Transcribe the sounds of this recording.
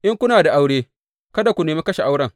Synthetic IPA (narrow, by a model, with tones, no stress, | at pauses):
ʔɪ˦ŋkʷʊ˦naː˨da˨ʔa˦wɽeː˦ | kɐ˦da˨kʷu˨neː˨meː˦kɐ˦ʃe˨ʔa˦wɽɐ˦˨ŋ